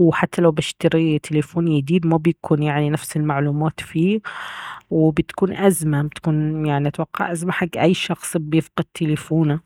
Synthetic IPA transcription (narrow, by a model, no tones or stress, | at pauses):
wħat̪ːalawbɪʃt̪ɪɾit̪ʰɪlefoːnjɪd̪iːd̪mabjakʰuːnjaʕninafsɪlmaʕluːmaːt̪fiː | wɪbɪt̪kuːnʔazmabɪt̪kuːnjaʕniʔat̪wɑqːɑ̰ʕʔazmaħaɡːʔajːʃɑxsˤbjɪfqɑd̪̚t̪ʰːɪlefuːna